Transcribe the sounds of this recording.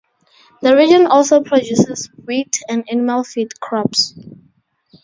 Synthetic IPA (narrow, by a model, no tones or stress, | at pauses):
ðəɹid͡ʒɔ̃nɔlˠsopʰɹɔdjusɛswitʰɛ̃ndanimalfitkʰɹɔps